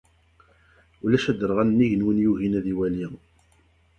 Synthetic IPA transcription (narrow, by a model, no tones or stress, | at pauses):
ulæʃæd̪əɾˤʁænnːiʝənwənjuɦinæðiwæli